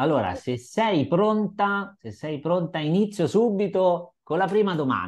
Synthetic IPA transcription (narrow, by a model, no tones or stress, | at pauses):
alːoːɾa̰sesːɛjpɾont̪asesːɛjpɾont̪ainit̪sːjosuːbːit̪okolːapɾiːmad̪oma̰n